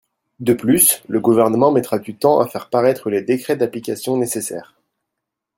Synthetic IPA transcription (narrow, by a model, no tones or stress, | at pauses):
d̪əplysləɡuvɛʁnəmɑ̃mɛt̪χad̪yt̪ɑ̃ʔa̰fɛʁpaʁɛt̪χəled̪ekχɛd̪aplikʲasjɔ̃nesesɛ̰ːʁ